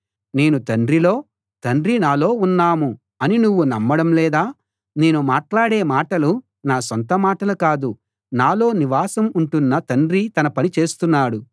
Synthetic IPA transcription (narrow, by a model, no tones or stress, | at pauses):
ne̞ːnut̪ɐɳɖɾilo̞ː | t̪ɐɳɖɾinaːlo̞ːunːaːmu | ɐninuʋːunɐmːɐɽɐmlɛːd̪aː | ne̞ːnumaːʈlaːɽeːmaːʈɐlu | naːsont̪ɐmaːʈɐlukaːd̪u | naːlo̞ːniʋaːsɐmuɳʈunːɐt̪ɐɳɖɾit̪ɐnɐpɐnit͡ʃe̞ːst̪unːaːɽu